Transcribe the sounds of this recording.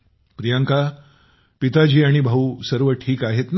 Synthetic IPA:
pɾijaŋka | pit̪ad͡ʑiːaɽ̃ibʱausəɾʋəʈʰiːkaɦet̪n

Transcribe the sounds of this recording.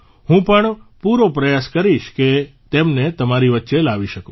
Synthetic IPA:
hũpəɳpuɾopɾəjaskəɾiʃket̪emnet̪əmaɾiʋətːʃelaʋiʃəkõ

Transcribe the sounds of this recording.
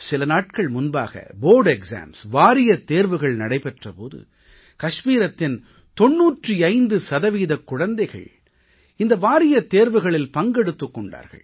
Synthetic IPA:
sɪlɐnaːʈ̚kɐɭmʊnba̰ːɣɐ̰boːɾɖɛksa̰ːmsʋaːɾɪjɐt̪ːeːɾʋɯɣɐɭnɐɽɐɪpɛʈrɐpoːðɯ̰ | kɐʂmiːɾɐt̪ːɪn | t̪ɔnːuːʈriɐɪnd̪ɯsɐðɐʋiːðɐkːʊɻɐnd̪ɐɪɣɐ̰ɭ | ɪnd̪ɐʋaːɾɪjɐt̪ːeːɾʋɯɣɐɭɪlpɐŋɡɛɽɯt̪ːɯkːɔɳɖa̰ːɾɣɐ̰ɭ

